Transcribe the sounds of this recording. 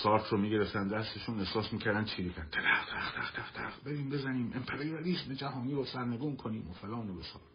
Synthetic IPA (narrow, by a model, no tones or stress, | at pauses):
sɒːɾt̪ʰɾomiːɡe̞ɾeft̪ænd̪d̪æst̪eʃuːne̞hsɒːsmiːcʰæɾd̪ænt͡ʃʰiːɾiːcʰæɾ̚ʰeɾæχt̪ʰæɾæxt̪ʰæχt̪ʰæχt̪ʰæχbeɾiːmbe̞zæniːmʔempʰeɾiɑliːsme̞d͡ʒæɦɒːniːɾosæɾneɡuːnkʰoniːmofelɒːnobesɒ̰ːl